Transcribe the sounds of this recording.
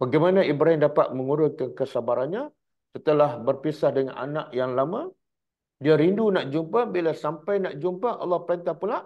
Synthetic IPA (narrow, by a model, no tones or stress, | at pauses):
baɡajmanãʔibɾaɦɪndapat̪̚mə̃ŋuɾʊnkankəsabaɾanɲa | sət̪əlahbərpisahdəŋã̰na̰naʔjaŋlamã | diaɾindunaʔd͡ʒumpabilasampajnaʔd͡ʒumpaʔɑ̰lːɔhpəɾent̪ahpulaʔ